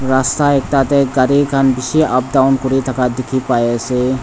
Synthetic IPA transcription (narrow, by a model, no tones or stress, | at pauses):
ɾast̪aeːk̚t̪at̪eɡɐɾikʰanbɪʃiʔɐp̚d̪aʊnkʊɾit̪ʰɐkad̪ɪkʰipaːese